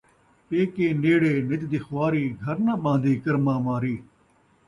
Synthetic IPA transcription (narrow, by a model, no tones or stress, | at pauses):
peːkeːneːɽeːnɪt͡ʃd̪ixʋaːɾiːɡʱəɾnãːɓãːnd̪ʱiːkəɾmãːmaːɾiː